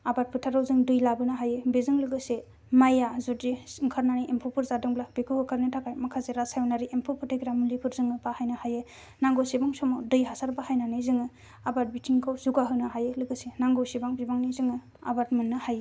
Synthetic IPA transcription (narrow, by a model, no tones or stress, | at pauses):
abaɾt̚pʰɯtʰaɾawzɯŋdɯjlabɯnaɦajɯbezɯŋlɯɡɯse | majazuiŋkʰaɾnaniʔempʰupʰɯɾzadɯŋblabekʰuhɯkʰaɾnɯtʰakʰajmakʰazeɾasajɔnaɾiʔempʰupʰɯɾtʰeɡɾamulipʰɯɾzɯŋɯbahajnahaje | naŋɡosebaŋsɔmodɯjɦasaɾbahajnanɯzɯŋɯ | abat̚bitʰiŋkʰawzuɡaɦɯnɯɦajɯlɯɡɯsenaŋɡowsibaŋbibaŋnizɯŋɯ | a̰baɾtmenːɯhaje